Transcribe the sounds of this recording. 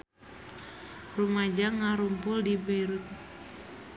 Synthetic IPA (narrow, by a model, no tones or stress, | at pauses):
rumad͡ʒaŋaɾumpʊldibaiɾut̪̚